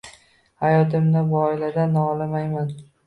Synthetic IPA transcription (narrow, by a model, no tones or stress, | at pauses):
hajɒt̪ʰɪmnɪbʊɒɪlad̪anɒlamajman